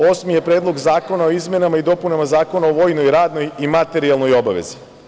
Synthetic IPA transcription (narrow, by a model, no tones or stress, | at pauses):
o̞ːsmije̞pɾeːd̪lo̞ɡzaːko̞nao̞izme̞namaid̪o̞punamazaːko̞naoʋo̞ːjno̞jɾaːd̪no̞jimat̪e̞ɾialno̞jo̞baʋe̞̰zi